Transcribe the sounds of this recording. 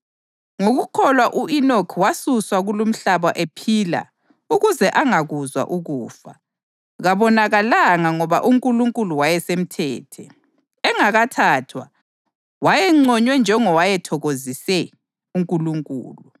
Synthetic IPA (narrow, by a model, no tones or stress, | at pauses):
ŋoɣukʰɔlwaʔuinɔkʰwasuswaɣulum̩ɬaβaʔepʰila̰ | uɣuzɛʔaŋaɣuzwa̰ʔuɣuːfa̰ | ɣaβɔnaɣalaŋaŋɔβa̰ʔuŋkʼuluŋkʼuluwajɛsem̩tʰɛːtʰɛ | ɛŋaɣatʰaːtʰwa̰ | wajɛŋ͡ǀɔɲwɛnd͡ʒʱɛŋɔwajɛtʰɔɣozisɛ | uŋkʼuluŋkʼṵːlu